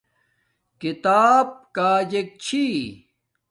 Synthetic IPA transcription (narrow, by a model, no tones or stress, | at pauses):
kit̪aːb̚kaːd͡ʑek̚t͡ɕʰi